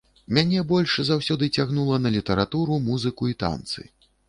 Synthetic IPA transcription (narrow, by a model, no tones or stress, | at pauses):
mʲanʲɛbɔlʲʂzawsʲɔd̪ɨt͡sʲaɣnulˠɐnɐlʲit̪ɐɾat̪uɾumuzɨkuit̪a̰nt̪sɨ̰